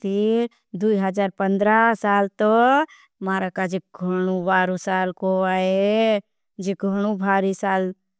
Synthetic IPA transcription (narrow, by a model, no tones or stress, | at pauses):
t̪ʰiɾ | d̪uiɦəd͡ʒaːɾpə̃nd̪ɾasaːlt̪o | maːɾakad͡ʒeɡʱəɽ̃ubaːɾusaːlkoaːe | d͡ʒeɡʱəɽ̃ũbʱaːɾisaːl